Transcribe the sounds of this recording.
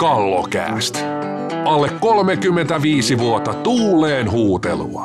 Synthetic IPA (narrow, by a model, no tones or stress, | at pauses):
kɑlːo̰kæ̰ːst̪ | ɑlːekːo̞lmekymːent̪æʋiːsiʋuot̪ːɑt̪uːlːeːnhuːt̪ḛlṵɑ̰